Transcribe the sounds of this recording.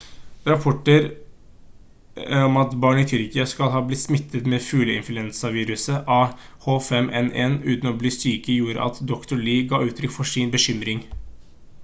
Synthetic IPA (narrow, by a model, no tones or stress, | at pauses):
ɾɑpʰɔʈəɾ | ɔmɑt̪bɑːɳɪt̪ʰʏɾkɪɑskɑlɦɑːblɪt̪ːsmɪt̪ʰːət̪mɛfʉːləɪ̰nflʉɛnsɑʋiːɾʉsəʔɑ | hoːfɛmʔɛ̰nɛnʉ̰ːt̪n̩ɔbliːst̪yːkəjuːɾə̰ʔɑ̰t̪d̪ɔkt̪ʊɭiːɡɑːʉːt̪ʰɾʏkfɔʂɪnbəɕʏmɾɪŋ